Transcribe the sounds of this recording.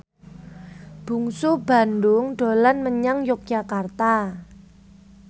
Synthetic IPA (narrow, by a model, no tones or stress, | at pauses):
b̥uŋsub̥a̤ndʊŋɖ̥o̤lanməɲaŋjɔk̚d͡ʒ̥akart̪a